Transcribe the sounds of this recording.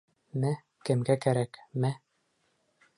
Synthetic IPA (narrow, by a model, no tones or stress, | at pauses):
mæ | kɘ̆mɡækæɾækmæ